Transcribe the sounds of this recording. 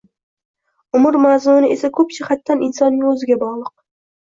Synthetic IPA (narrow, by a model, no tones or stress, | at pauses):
ʊmʊɾmazmʊnɪe̞sakʰɵpʃɪχat̪ːanɪnsɒnːɪŋɵzɪɡʲabɒʁlˠɨq̚